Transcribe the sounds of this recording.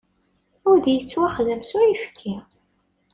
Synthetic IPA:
ʊɾðjət͡sːwæχðəmsʊɾifkʰːi

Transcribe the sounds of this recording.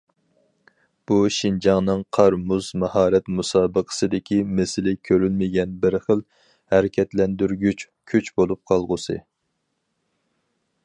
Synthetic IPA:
b̥uʃind͡ʒɑŋnɨŋqʰɑɾmuzmɑhɑːɾɛt̪musɑːbəqʰə̥sɨd̪ɪkʲʰimesɪlɪkʲʰøɾylmɪɡʲɛnbɪɾχəlˠ | hɛɾɪkʲʰɛt̪lɛnd̪yɾɡʲyt͡ʃ | kʲʰyt͡ʃbolˠup̚qʰɑlˠʁʊsɨ̰

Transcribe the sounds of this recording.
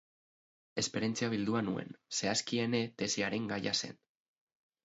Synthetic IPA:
e̞spe̞ɾent͡siaβ̞ild̪uanue̞̰nse̞askie̞ne̞t̪e̞siaɾe̞ŋɡajase̞̰n

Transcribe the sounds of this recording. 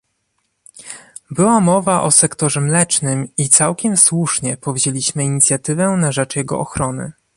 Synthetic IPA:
bɘwamɔvaʔɔsɛkt̪ɔʐɛmlɛt͡ʂnɘmit̪sawkʲɛmswuʂɲɛpɔvʑelʲiɕmɘiɲit̪sʲjat̪ɘvɛnaʐɛt͡ʂjɛɡɔ̰ʔɔxɾɔnɘ̰

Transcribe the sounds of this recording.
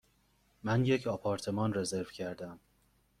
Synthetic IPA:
mænje̞cʰɒpʰɒːɾt̪ʰe̞mɒːnre̞ze̞ɾv̥cʰæɾd̪æm

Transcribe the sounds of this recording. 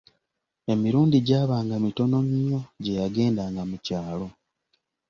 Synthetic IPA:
e̞miɾuːndiɟaːβaːŋɡamito̞no̞mɲo̞ɟe̞jaɡe̞ːndaːŋɡamucaːlo̞

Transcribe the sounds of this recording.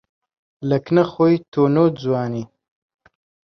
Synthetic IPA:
ləknɐxojt̪oːnoːd͡zwɑːni

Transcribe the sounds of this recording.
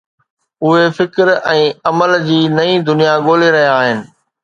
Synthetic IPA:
ʊɦefɪkɾɛ̃ːɐməld͡ʑiːnɐĩd̪ʊnijaɠoːleɾɐɦijaaːɦɪnɪ̆

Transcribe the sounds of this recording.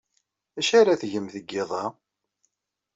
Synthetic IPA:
æʃaɾaθʝəmθəɡːɪðˤɑ

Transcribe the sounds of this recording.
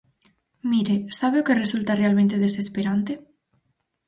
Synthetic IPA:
miɾesaβeokeresult̪arealmẽnt̪eðesespeɾant̪e

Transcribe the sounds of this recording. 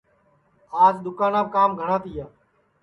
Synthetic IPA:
aːzɗ̪ʊkaːnãːkaːmɡʱəɽãːt̪ɪjaː

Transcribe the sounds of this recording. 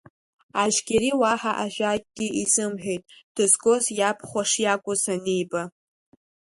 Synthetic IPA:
aʒɡʲeɾiwaħaʔaʒᶣʷakʼɡʲiʔizɨmħᶣejtʼd̥ɨzɡʼo̞zjapʰχʷaʂjakʷʼʊzanejba

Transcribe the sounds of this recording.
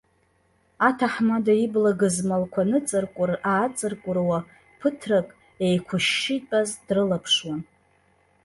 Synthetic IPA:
atʰaħmadaiblaɡɨzmalkʷʰanɨt͡sʼɨrkʷʼʊraːt͡sʼɨrkʷʼʊrwa | pʰɨtʰrakʼ | ejkʷʰʊʃːitʼazdrɨlapʰʂwan

